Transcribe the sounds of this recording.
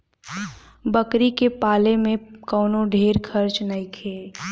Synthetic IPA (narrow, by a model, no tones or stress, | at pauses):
bəkɾikepaːlemẽkɔːnõɖʱeːɾkʰɐɾt͡ʃnɐĩkʰeː